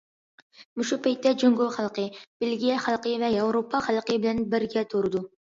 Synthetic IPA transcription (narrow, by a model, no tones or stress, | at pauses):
muʃupʰɛjt̪ːɛd͡ʒøŋɡolˠχælˠqəb̥elɡʲijɛχælˠqəvɛjɑwɾopʰːɑχælˠqəbɪlɛnbɪɾɡʲɛt̪ʰoɾɨd̪u